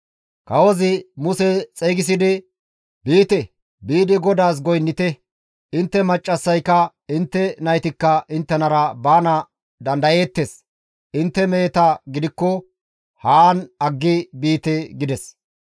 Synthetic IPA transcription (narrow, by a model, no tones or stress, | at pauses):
kɐwɔzɪmʊsɛt͡sʼeːɡɪs̬ɪd̪ɪ | biːt̪ɛ | biːd̪ɪɡɔd̪aːs̬ɡɔjnːɪt̪ɛ | ɪnt̪ːɛmɐt͡ʃʼːɐsːɐjkːɐ | ɪnt̪ːɛnɐjt̪ɪkːɐʔɪnt̪ːɛnɐɾɐbaːnɐ | d̪ɐnd̪ɐje̞ːt̪ːes | ʔɪnt̪ːɛmeːt̪ɐɡɪd̪ɪkːɔ | haːnɐɡːɪbiːt̪ɛɡɪd̪ɛs